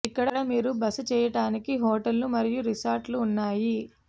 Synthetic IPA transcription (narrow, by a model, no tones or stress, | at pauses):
ikːɐɽɐɽɐmiːɾubɐsɐt͡ʃɛːjɐʈaːnikiɦɔːʈɐlːumɐɾijuɾisaːɾʈluːnːaːji